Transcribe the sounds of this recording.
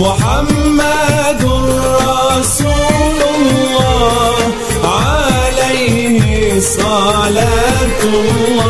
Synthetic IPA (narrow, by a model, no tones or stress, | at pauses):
ʊħamːad̪ɾˤːɑsuːlʊlːɑːh | ʕalajhɪsˤɑlaːt̪w